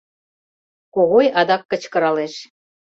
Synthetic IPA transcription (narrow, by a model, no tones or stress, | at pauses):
koɣojɑd̪ɑkːɤ̆t͡ɕkɤ̆ɾɑleʃ